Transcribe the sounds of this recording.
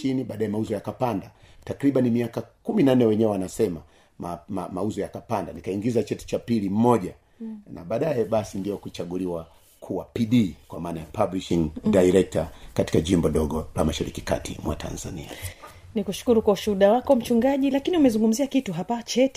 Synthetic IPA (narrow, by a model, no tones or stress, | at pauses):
iniɓaːɗaɛmauzɔjakapandatakɾiɓanimiakakuminanːɛwɛɲɛwɛwanasɛma | mmauzɔjakapandanikaiŋɡizat͡ʃɛti̥t͡ʃapilim̩mɔʄa | na̰ɓaːɗajɛɓasindiɔkut͡ʃaɠuliwa | kʰuwapiɗikwamaːnajapabliʃiŋdajɾɛk̚takati̥kaʄimbɔɗɔɠɔla̰maʃaɾḭkika̰tʰḭmwa̰tʰa̰nza̰nḭa̰ | nikuʃu̥kuɾukwauʃuɗawakɔm̩t͡ʃuŋɡaʄilakiniumɛzuŋɡum̩ziakituɦapat͡ʃɛt